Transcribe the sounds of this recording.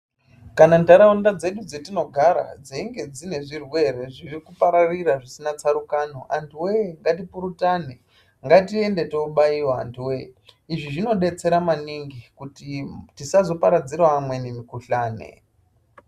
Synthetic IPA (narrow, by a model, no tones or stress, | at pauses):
kanandaɾaundad͡ze̞ɗud͡zetino̞ɡʱaɾa̰d͡zeiŋɡe̞d͡zine̞ʐirweɾeʐirikupaɾariraʐisinat͡saɾukanoʔandiweŋɡatipuɾutane | ŋɡatie̞nde̞to̞ɓaiwa̰ːntiweiʐiʐino̞ɗe̞t͡se̞ɾamaniŋɡikutitisazo̞paɾad͡ziɾwaːmwenemikuɬaːnḛ